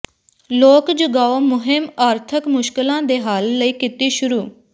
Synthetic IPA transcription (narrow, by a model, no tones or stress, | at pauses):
loːkd͡ʒʊɡaːoːmʊɦɪmaːɾt̪ʰəkmʊʃkɪlãːd̪eːɦaːlːəiːkit̪iːʃʊɾuː